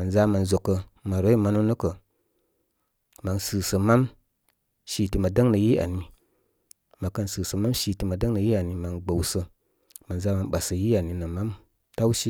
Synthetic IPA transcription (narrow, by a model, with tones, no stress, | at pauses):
ma˨nza˧˦ma˨nzo˨kːə˨ma˨ɾo˦i˦ma˧no˦nə˦kə˨ | ma˨ŋsɨː˨sə˨ma˦m | ʃi˨ti˨˧ma˨də˦ŋnə˨ji˦a̰˨ni˨ | ma˨kə˧nsɨː˨sə˨ma˦mʃi˧ti˧ma˨də˦ŋnə˨ji˦a˨ni˨ma˨ŋɡ͡bə˨wsə˧ | ma˨nza˧˦ma˨mɓa˨sə˨ji˦a˨ni˨nə˨ma˦m | ta˦wʃi˦